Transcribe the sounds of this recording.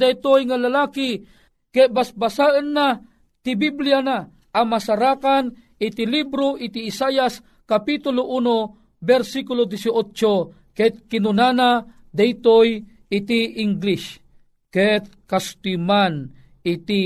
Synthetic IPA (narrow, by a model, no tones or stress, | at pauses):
d̪ajt̪ojŋalalaːki | kɛʔbasbasaʔənːa | t̪ibiblijana | ʔamasaɾakan | it̪ilibɾoʔit̪iːsajas | kapit̪ʊloʔuno | bɛɾsikulod̪isiot͡ʃo | kɛt̪̚kinunana | d̪ajt̪oj | it̪iʔiŋɡlis | kɛt̪̚kast̪iman | it̪i